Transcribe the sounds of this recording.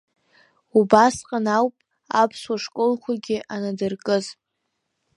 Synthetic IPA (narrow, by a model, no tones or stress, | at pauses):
ubasqʼanawpʼ | apʰswaʂkʼolχʰʷaɡʲɪʔanadɨrkʼɨz